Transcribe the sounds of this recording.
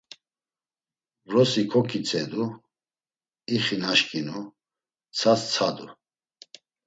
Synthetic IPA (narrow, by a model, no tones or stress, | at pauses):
vɾɔsikʰɔkʰit͡sʼɛd̪u | iχinaʃkʼinu | t͡sʰast͡sʰad̪u